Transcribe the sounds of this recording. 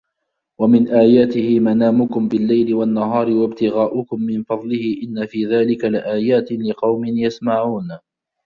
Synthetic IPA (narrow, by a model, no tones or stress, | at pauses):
wamɪnʔaːjaːt̪ɪhɪmanaːmʊkʊmbɪlːajlɪwanːaɦɑːɾɪwabt̪ɪɣaːʔʊkʊmːɪnfɑd̪ˤlɪhɪʔɪnːafiːðaːlɪkalɪʔaːjaːt̪ɪlɪqɑwmɪnjasmaʕuːn